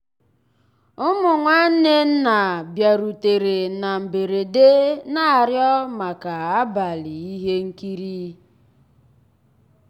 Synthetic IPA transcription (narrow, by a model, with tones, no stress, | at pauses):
ʊ˦mʊ˨ŋʷa˦n̩˦ne˦n̩˦na˨bja˨ɾu˨te˨ɾe˨na˨m̩˨be˨ɾe˨de˦na˦˨ɾjɔ˦ma˨ka˨a˦ba˨li˨i˦ɦe˦ŋ̩˦ki˦ɾi˦